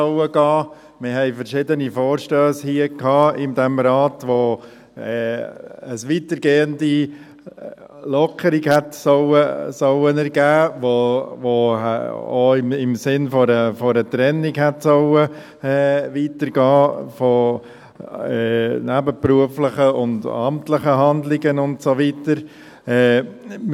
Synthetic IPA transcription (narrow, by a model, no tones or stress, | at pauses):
ɔwəɡɑː | mɪɾɦɛɪfəɾʃɪdənifoːɾʃtøːshiəkhɑːɪnd̪ɛmɾɑːtʋo | ɛːəsʋiːtəɾɡeːəndi | lɔkʰəɾiɡhɛtsɔwəsɔwənɛɾɡæːʋoʋo̰ | o̰ɪmɪmsɪnfɔɾəfoɾətɾɛnɪkhɛtsɔwə | ɛːʋiːtəɾɡɑːfo | ɛnæbəpɾuəfləχəʊndɑ̰mtləχəɦɑndlɪɡənʊntsoʋitəɾ | ɛː